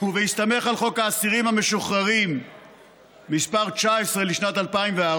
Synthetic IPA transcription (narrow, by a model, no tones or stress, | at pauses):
uvejist̪ame̞χalχo̞kaːsiʁimhame̞ʃuχaʁim | ispaʁt͡ʃaesʁeliʃnat̪alpaimvea